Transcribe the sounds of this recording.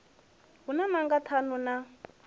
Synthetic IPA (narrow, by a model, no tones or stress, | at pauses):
ɦunamaŋɡatʰanuna